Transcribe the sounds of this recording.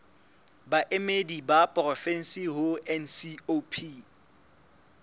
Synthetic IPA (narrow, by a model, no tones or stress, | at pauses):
baʔemedibapʼɔrɔfɛn̩siɦʊɛnsiopʰi